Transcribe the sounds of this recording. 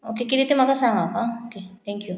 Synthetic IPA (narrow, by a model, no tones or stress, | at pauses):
oːkekid̪it̪imakasaɦakaoket̪ʰɛ̃ŋkju